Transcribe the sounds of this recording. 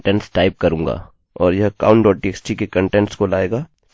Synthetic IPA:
ʈɛ̃ɳʈsʈaːɪp̚kɐɾũːŋɡa̰ː | ɔːɾjɐɦka̰ːʊ̃ɳʈɖɔːʈ̚ʈieksʈikekɐ̃ɳʈɛ̃ɳʈskolaːeːɡaː

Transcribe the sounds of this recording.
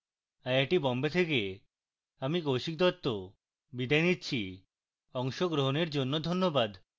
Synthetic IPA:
aeʈibɔmbet̪ʰeke | amikowʃik̚d̪ɔt̪ːo | bid̪ajnitːɕʰi | ɔŋʃoɡɾoɦoneɾd͡ʑonːod̪ʱonːobad̪

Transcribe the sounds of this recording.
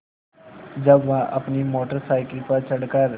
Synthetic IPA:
d͡ʒɐbʋãʔɐpnimoːʈəɾsaːɪkəlpəɾt͡ʃɐɽkəɾ

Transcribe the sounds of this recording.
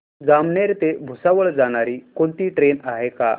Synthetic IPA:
d͡zamɳeɾt̪ebʱusaʋəɭd͡zaɽ̃aɾiːkont̪iːʈɾenaɦeka̰

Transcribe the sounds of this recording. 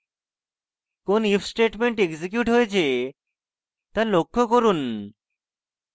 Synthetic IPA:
konifʰsʈeʈmeɳʈeksik̬juʈɦoet͡ɕʰe | t̪alokʰːokoɾun

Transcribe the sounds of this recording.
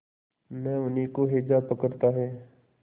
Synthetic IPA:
mɛ̃ːʊnɦiːkoɦeːd͡ʒaːpəkəɾt̪aːɦɛː

